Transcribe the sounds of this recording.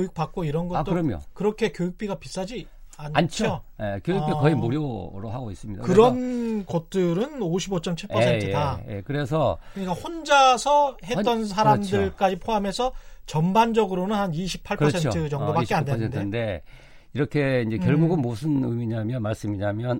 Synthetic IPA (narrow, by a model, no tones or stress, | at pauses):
ouk̚p͈ak̚k͈oiɾʌnɡʌt͈oɯɾʌmjo̰kɯɾʌkʰe̞kjojuk̚p͈iɡapis͈ad͡ʑi | anant͡ɕʰojekjojkpikʌimoɾjoɾo̰ɦaɡois͈ɯmɲida̰kɯɾʌnkʌt̚t͈ɯɾɯnoɕʰibot͡ɕ͈ʌmt͡ɕʰiɭʰʌsʰetɯdajḛkɯɾe̞sʰʌkɯɲik͈ahond͡ʑasʰʌhe̞t͈ʌns̬ʰaɾamdɯɭk͈ad͡ʑipʰoamesʰʌt͡ɕʌmband͡ʑʌɡɯɾonɯnhaniɕʰipʰaɭpkʌsʰenʰɯd͡ʑʌŋdobak͈eadeentdende̞ | iɾʌkʰe̞ind͡ʑe̞kjʌɭɡuɡɯnmusʰɯnɯmiɲamjʌnmaɭs͈ɯmiɲamjʌn